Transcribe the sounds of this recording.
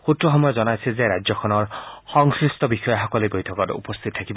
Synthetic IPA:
xutɹɔxɔmɔjɔzɔnajsʰezeɾazɔkʰɔnɔɹxɔŋsɹistɔbixɔjɔɦɔkɔlibojtʰɔkɔtṵpɔst̪ʰitɔtʰakibɔ

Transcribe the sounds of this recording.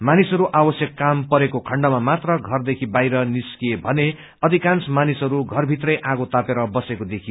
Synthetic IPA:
manisʌɾuʔabʌsjʌkːampʌɾekokʰʌɳɖʌmamat̪rʌɡʱʌrd̪ekʰibajɾʌniskiebʱʌne | ʌd̪ʱikansmanisʌɾuɡʱʌrbʱit̪rʌjʔaɡot̪apeɾʌbʌsekod̪ekʰi

